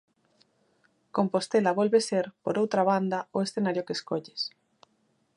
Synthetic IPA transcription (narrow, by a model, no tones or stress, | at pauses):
kompost̪elaβolβeseɾpoɾowt̪ɾaβand̪aoesθenaɾjokeskoʎes